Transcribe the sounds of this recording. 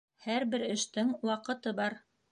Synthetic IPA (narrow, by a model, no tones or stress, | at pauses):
hæɾbɘɾɘ̆ʃt̪ɘŋwɑqɤ̆t̪ɤbɑɾ